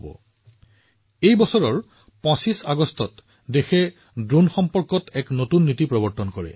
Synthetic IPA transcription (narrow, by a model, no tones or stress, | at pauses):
bɔ̰ | ejbɔsɔɹɔɹ | pɔ̃sisaɡɔstɔt | dexɛ | dɹunxɔmpɔɹkɔtɛknotunːitipɹɔbɔɹtɔnkɔɹɛ̰